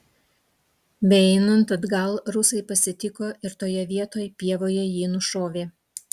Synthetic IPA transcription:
bʲɛɛɪnɐnt̪ɐd̪ɡɐlˠɾʊsɐɪpɐsʲɪt̪ʲɪkoːɪɾt̪oːjɛʋʲiɛt̪oːjɛpʲiɛʋoːjɛjiːnʊʃoːʋʲeː

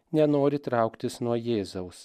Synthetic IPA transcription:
nʲɛnoːɾʲɪt̪ɾɑˑʊkt̪ʲɪsnuɔjeːzɐʊs

